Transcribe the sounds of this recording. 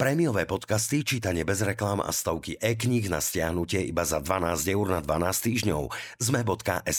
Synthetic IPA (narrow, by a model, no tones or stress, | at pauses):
pɾɛmijɔʋɛːpɔt̪kast̪it͡ʃiːt̪aɲɪɛbɛzɾɛklama̰st̪ɔʊkiʔɛːk̬ɲiɣna̰scɪaɦnucɪɛḭbazad̪ʋanaːzɟɛuɾnad̪ʋanaːst̪iːʒɲɔ̰ʊzmɛbɔt̪ka̰ʔɛs